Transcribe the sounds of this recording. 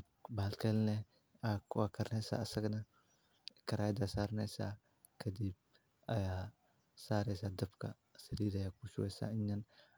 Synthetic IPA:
balkalnɛ | akakɐɾnesa̰ːsɐɡna | kɐɾad̪asaɾnɛsa̰ | kɐd̪ib̚ | a̰ja | saːɾɛsadɐbka̰ | sɐɾidajakuʃuwɛsa̰iɲːan

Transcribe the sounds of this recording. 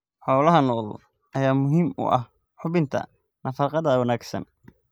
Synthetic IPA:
ħɔːlɐɦɐnɔːl | ʔɐjaːmʊɦiːmʊ̰ʔɐ̰h | ħʊβɪnt̪ʰɐ̰ | nʔɐfɑːqɑðɐwɐnaːɡsɐ̰n

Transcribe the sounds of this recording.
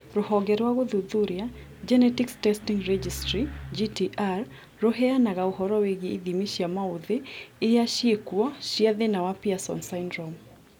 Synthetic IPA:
ɾʊhɔɡɛɾwaɡoðuðuɾja | d͡ʒɛnɛtikstɛstiŋɾɛd͡ʒistɾid͡ʒitiʔaɾ | ɾoɦɛanaɣauhɔɾɔweɡeiðimiʃjamauðɪɪjaʃjekwɔʃjaðɪnawapiasɔ̰nsaɪndɾɔm

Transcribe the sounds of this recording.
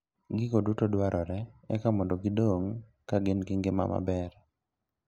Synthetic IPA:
ɡɪkodutodwaɾʔɔɾɛɛkamɔndoɡɪdoŋ | kaɡɪnɡɪŋɡɪma̰ma̰bɛr

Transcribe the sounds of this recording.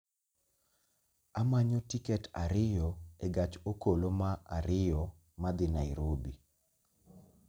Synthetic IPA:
amaɲotikɛta̰ɾɪjɔeɡat͡ʃokolomaʔa̰ɾɪjɔ | mad̪ɪnaɪɾobi

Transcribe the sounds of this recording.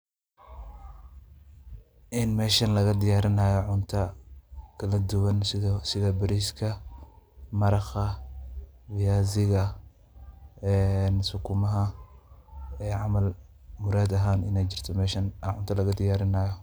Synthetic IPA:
ʔɪnmɛːʃɐnlɐɣɐd̪ɪjaːɾɪnaːjɔʕʊnt̪ʰɐkʰɐlɐd̪ʊwɐnssɪðɐbɐɾiːskʰɐ | mɐɾɑχɐ | wɪjaːzɪɣɐ | ɛnsʊkʰʊmɐɦɐ | ɛːʕɑmɐl | mʊɾaːd̪ɐɦaːnɪ̰nɛjt͡ʃɪrt̪ʰɔmɛːʃɐnʕʊ̰nt̪ʰɐlɐɣɐd̪ɪjaːɾɪnaːjɔ

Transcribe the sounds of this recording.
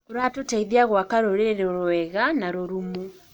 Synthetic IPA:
oɾatotaiðiaɣwakaɾoɾeeɾoɾoɛɣanaɾoɾumu

